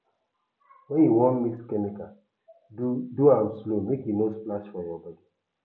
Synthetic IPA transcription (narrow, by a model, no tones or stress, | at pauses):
wɛ̃njiwɔ̃nmiskɛmika | duaslomekjinosplaʃfɔjɔbɔdi